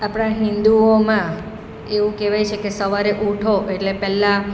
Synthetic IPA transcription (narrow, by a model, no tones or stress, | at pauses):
apɳ̃aɦĩnd̪uomã | eʋũkeʋajt͡ʃʰekesəʋaɾeʔuʈʰoeʈlepɛlːã